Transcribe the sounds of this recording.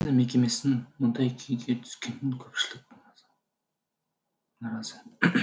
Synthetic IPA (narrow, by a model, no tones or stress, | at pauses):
nɪme̞kʲe̞me̞sɪnmʊnd̪ɑjkʲʰejɡʲet̪ʰʏ̥z̥kʲenɪŋkʲʰɵpʃɪlɪk̚ɑz | nɑɾɑzə